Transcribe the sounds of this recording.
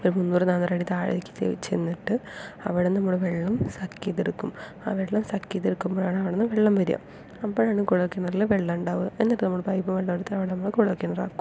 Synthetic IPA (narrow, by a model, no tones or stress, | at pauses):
oɾumunːuːrɨnaːnːraːɽit̪aːɻɐ̰ikʲːɨ̥t͡ɕḛt͡ɕːenːiʈːɨɐ̰ʋiɽenɐmːuɭʋeɭːɐmsɐkːit̪ːiɾukːum | a̰ːʋeɭːɐmsɐkːit̪ːiɾukːumboːɭaːɳɨɐʋiɽenːɐmʋeɭːɐmʋɐɾija̰m | ɐpːoːɭaːɳɨkuɻɐkːinːɐrilʋeɭːɐmuɳɖaːʋuenːɐʈːɨnɐmːuɭpɐjpːɐmʋeɭːɐʋiɽut̪ːɐɐʋiɽenɐmːuɭkuɭɐkːinːɐra̰ːkːum